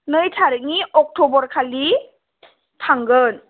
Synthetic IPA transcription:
nɯjtʰaɾɯŋiʔɔk̚tʰɔbɔɾkʰali | tʰaŋɡɯn

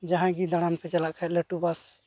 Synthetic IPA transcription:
d͡ʒaɦãɡid̪aɽ̃anpʰɛt͡ʃalaʔkʰat̪̚lɛʈubas

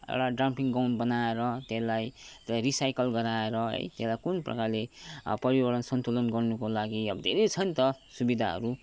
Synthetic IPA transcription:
ḛwʈaɖrampiŋɡawnbʌnaeɾʌt̪elajt̪ɾisajkʌlɡʌɾaeɾʌɦʌ̰jt̪eslajkunprʌ̰karlepʌɾibʌɾtʌnsʌnt̪olʌnɡʌrnukolaɡiʌbd̪ʱeɾet͡sʰʌnt̪ʌsubid̪ʱaɦʌ̰ɾu

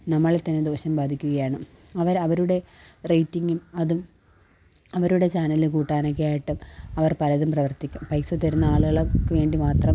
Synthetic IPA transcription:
nɐmːɐɭet̪ːɐnːed̪o̞ːɕɐmbaːd̪ʱikʲːuɣɐjaːɳɨ | ɐʋɐɾɐʋɐɾuɽe̞rejtːiŋɡumɐðum | ɐʋɐɾuɽe̞t͡ɕaːnɐlɨkuːʈːaːnok̬ʲːejaːjiʈːɨɐʋɐrpɐɾɐðumprɐʋɐrt̪ikʲːumpɐjsɐt̪ːɐɾunːɐaːɭuɣɐɭokːɨʋe̞ːɳɖimaːt̪rɐm

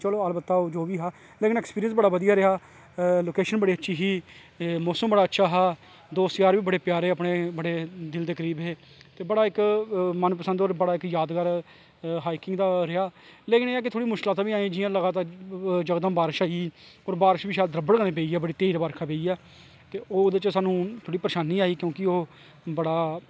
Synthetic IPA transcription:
t͡ʃəloːəlbət̪ːaːod͡ʒoːʋiːɦaː | leːkɪnɛːkspiːɾijənsbəɽaːʋəd̪ijaːɾɪɦaː | loːkeːʃənbəɽeːətːʃʰiːɦiː | moːsəmbəɽaːtːʃʰaːɦaː | d̪oːst̪jaːɾʋiːbəɽeːpjaːɾeːəpɳeːbəɽeːd̪ɪld̪eːkəɾiːbɦeː | t̪eːbəɽaːɪkmənpəsə̃nd̪oːɾbəɽaːɪkjaːd̪ɡaɾ | ɦaːikɪŋɡd̪aːɾɪaːleːkɪneːaːk̬ɪt̪ʰoːɽiːmʊʃkɪlaːt̪ãːbiːaːĩːd͡ʒɪjãːləɡaːt̪aːɾd͡ʒəɡd̪ãːbaːɾʃaːioːɾbaːɾʃbiːʃaːd̪əɾəbəɽkənẽːpeːiːɛːbəɽiːt̪eːɾbaːɾkʰaːpeːiːɛː | t̪eːoːd̪ɪt͡ʃsaːnũːt̪ʰoːɽiːpəɾɪʃaːniːaːiːkjõːkɪoː | bəɽaː

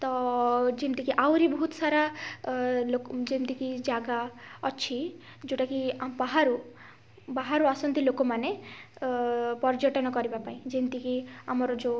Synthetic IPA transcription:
t̪ɔd͡ʒint̪ikiʔawɾibɔɦut̪ɔsaɾa | lokd͡ʒint̪ikid͡ʒaɡaɔt͡ʃʰi | d͡ʒoʈakibaɦaɾu | baɦaɾuasɔnt̪ilokɔmane | pɔɾd͡ʒɔʈɔnɔkɔɾibapaĩd͡ʒint̪ikiamɔɾɔd͡ʒo

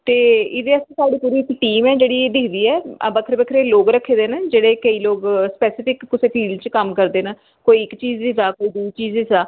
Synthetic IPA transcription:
t̪eːɪd̪eːəsĩːsaːɖiːpuːɾiːɪkʈiːmɛːd͡ʒeːɽiːeːd̪ɪkʰd̪iːɛ̰ːbəkʰəɾbəkʰɾeːloːɡɾəkʰːeːd̪eːnad͡ʒeːɽeːkəiːloːɡspɛːsɪpɪkːʊseːfiːlt͡ʃkəmkəɾd̪eːnaː | koːiɪkt͡ʃiːzd̪iːsaːkoːiːd̪uːt͡ʃiːzd̪iːsaː

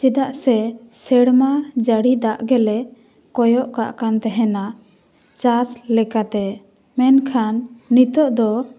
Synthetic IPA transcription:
t͡ʃid̪aʔsɛsɛɽmad͡ʒaɽid̪aʔɡɛlɛ | kɔjɔʔkaʔkant̪ɛɦɛna | t͡ʃaslɛkat̪ɛ | mɛnkʰanːit̪ɔʔd̪ɔ

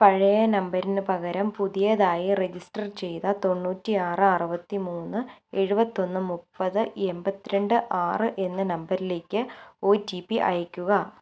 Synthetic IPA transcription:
pɐɻɐjɐnɐmbɐɾinɨpɐɣɐɾɐmpuðijɐðaːjired͡ʑisʈɐrt͡ɕe̞jt̪ɐt̪o̞nːuːtːiaːrɨɐrɨbɐt̪ːimuːnːɨe̞ɻubɐt̪ːio̞nːɨmupːɐðɨe̞mbɐt̪ːiɾeɳɖɨʔaːrɨʔe̞nːɐnɐmbɐɾile̞ːkʲːɨo̞ːtipːiʔɐ̰jɐkʲːuɣɐ

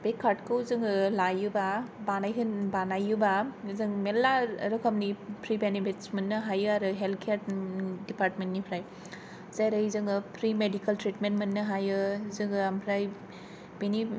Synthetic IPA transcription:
b̥ekʰːaɾtkʰɯwzɯŋɯlajɯbabanajɦɯnbanajubazɯŋmelːaɾɯkʰamnipʰɾibenepʰitsmɐnːɯɦajɯaɾɯɦelkʰejaɾdipaɾtmentnipʰɾaj | zajɾɯjzɯŋɯpʰɾimedikʰɐltɾitmentmɐnːɯɦajɯzɯŋɯampʰɾaj | beni

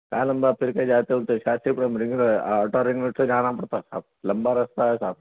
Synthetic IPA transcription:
kaːlɐmbapʰɪɾked͡ʒaːt̪eult̪eʃaːsipɽemɾɪ̃ŋɡɔːʈoɾɪ̃ŋɡnoʈsed͡ʒaːñãpɐɽt̪asa̰ːb̚lɐmbaɾɐst̪aɦɛsaːb

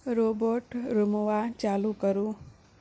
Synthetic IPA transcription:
ɾoboɾʈɾumoʋat͡ʃalukəɾu

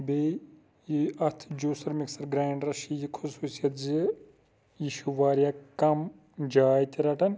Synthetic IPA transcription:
be | iɐt̪ʰd͡ʒuːsɐɾmiksɐɾɡɾaːɳɖɾɐʃijikʰusuːsijɐt̪zi | jiʃuʋaːɾjakɐm | d͡ʒaːjt̪iɾɐʈɐn

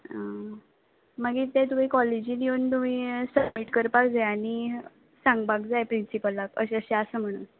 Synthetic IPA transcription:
ə | maɡiːt̪et̪um̤iːkɔled͡ʑiːd̪iunt̪um̤iːsəbmiʈkəɾpakd͡zaaɽ̃i | sãŋɡbaɡd͡zajpɾinsipəlːakə̰ɕəɕeasəːm̤əɽ̃əːn

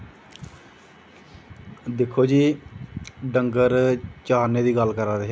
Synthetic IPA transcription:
d̪ɪkʰːoːd͡ʒiː | ɖəŋɡəɾt͡ʃaːneːd̪iːɡəlkəɾaːd̪eɦɛ

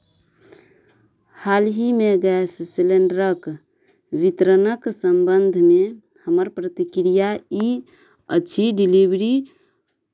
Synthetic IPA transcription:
halɦimeɡɛssileɳɖɾək | ʋit̪ɾənəksəmbənd̪ʱme | həməɾpɾət̪ikɾijai | əːt͡ʃʰiɖilibɾi

